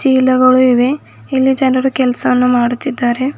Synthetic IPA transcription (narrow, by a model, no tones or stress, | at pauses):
t͡ʃiːlɐɡɐɭuiʋe̞ | ilːid͡ʒɐnɐɾukɛlɐsɐɐnːumaːɽut̪ːid̪ːaːɾe̞